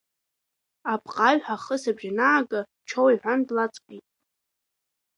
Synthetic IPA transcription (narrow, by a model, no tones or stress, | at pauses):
apʰʼqʼaɥħaχəsabʒanaːɡʼa | t͡ʃʰowiħʷᶣandlat͡sʼkʼitʼ